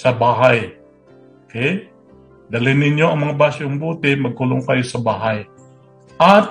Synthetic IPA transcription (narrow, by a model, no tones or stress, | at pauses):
səbaɦaj | oke | daliniɲoməŋbasʊmbut̪ɪməɡ̚ulʊŋkajusəbaɦaj | a